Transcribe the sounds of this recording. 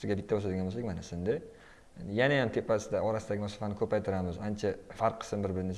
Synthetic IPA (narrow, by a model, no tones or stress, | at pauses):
t̪ɪɡʲabɪt̪ːabosad̪ɪɡʲanbosakʲmanasɪnd̪ɪ | janajamt̪ʰepːasɪd̪aɒɾasɪd̪aɡʲɪmaso̥fanɪkʰɵpajt̪ʰɪɾamɪzant͡ʃʰafaɾqʰːɨ̥smbɪɾbɪɾnes